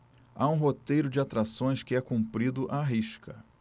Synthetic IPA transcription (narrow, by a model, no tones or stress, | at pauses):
aũɦot̪ejɾʊd͡ʒɪat̪ɾasõj̃skɪɛkũmpɾid̪ʊʔaɦiʃkʰɐ